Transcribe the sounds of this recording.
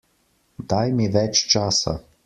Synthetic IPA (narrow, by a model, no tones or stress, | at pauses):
d̪ajmiʋɛt͡ʃt͡ʃaːsa̰